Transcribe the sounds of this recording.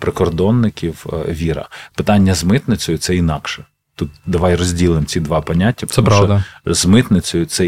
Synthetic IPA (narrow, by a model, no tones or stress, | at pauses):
pɾɪkɔrd̪ɔnːɪkʲiwʋʲiɾɐ̰pɪt̪ɑnʲːɐzmɪt̪nɪt͡sʲɔjʊt̪sɛinɑkʃɛ | t̪ut̪̚d̪ɐʋɑjrɔzʲdʲilˠɪmt͡sʲid̪ʋɑpɐnʲatʲːɐpsɛmɾɔd̪ɐzmɪt̪nɪt͡sʲɔjʊt̪sɛ